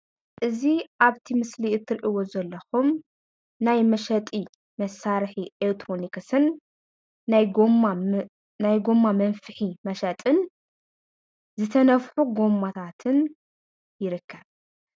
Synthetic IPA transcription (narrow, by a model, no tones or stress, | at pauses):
ʔɨziʔaβt̪ʰimɨsliɨt̪ʰːɨɾʔiwo̞zɐlːɐxum | najmɐʃɐt̪ʼi | mɐsaɾħiʔekt̪ɾonikʰɐsɨnː | aj | najɡo̞mːamɐnfɨħimɐʃɐt̪ʼɨn | zɨt̪ʰɐnɐfħuɡo̞mːat̪ʰat̪ʰɨn | jɪɾɨkʰːɐβ